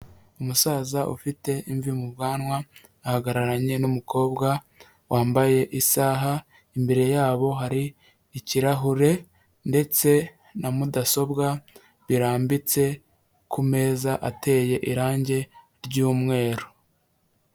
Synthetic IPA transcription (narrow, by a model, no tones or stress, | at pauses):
umusaːzaʔṵfite̞iɱvimuβɡaːnwaː | haɡaɾaɾaɲe̞numukʰo̞ːbɡa | wʔaːmbaje̞ʔisaːɦa | imbe̞ɾe̞jaːβo̞ɦaɾiː | ciɾaɦuɾe̞ | nde̞t͡se̞ | namudaso̞bɡa | βiɾaːmbit͡se̞ | kume̞ːzaʔate̞ːje̞ʔiɾaːɲɟe̞ | ɾɟuːmŋe̞ːɾo